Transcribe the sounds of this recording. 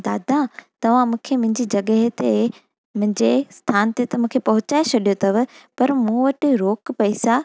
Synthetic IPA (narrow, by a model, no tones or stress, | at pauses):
d̪aːd̪at̪ɐʋ̤ãmũːkʰemʊ̃ɦɪ̃ɲd͡ʑid͡ʑɐɠəɦt̪e | mʊ̃ɦɪ̃ɲd͡ʑest̪ʰaːnt̪et̪ɐmũːkʰepɐɦʊt͡ɕaːet͡ɕʰɐɗijot̪ʰɐʋɪ̆pɐɾmũːʋɐʈɪɾoːkpɐisa